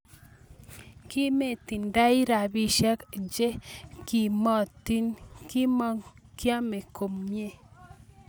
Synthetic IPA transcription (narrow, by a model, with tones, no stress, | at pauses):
ki˦me˦˨t̪i˨nda˦i˦ɾa˨bi˦ʃa˦knd͡ʒe˦ki˨mɔ˨t̪i˦nki˦mɔ˦ŋ | kja˦me˨kʰo˨mmje˦˨